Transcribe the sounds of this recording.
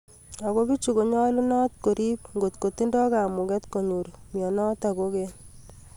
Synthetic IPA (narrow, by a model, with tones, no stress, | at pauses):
a˨ɣo˦bi˦t͡ʃu˨ko˨ɲɔ˦lu˦nɔ˦t̪ko˨ɾi˦p̚ŋɡo˨t̪ko˨t̪i˦ndɔ˦ka˨mʊ˨kɛ˦t̪ko˨ɲu˨ɾmjɔ˨nɔ˦ta˨ko˦ke˦n